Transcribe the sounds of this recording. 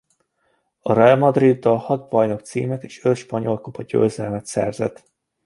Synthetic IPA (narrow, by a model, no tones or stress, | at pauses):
ɒrɛɒlmɒd̪rid̪ːɒlhɒd̪̚bɒjno̞kt̪sḭːmɛt̪e̥ːʃølʃpɒɲo̞lkopʰɒɟø̰ːzɛlmɛt̪sɛ̰rzɛ̰t̪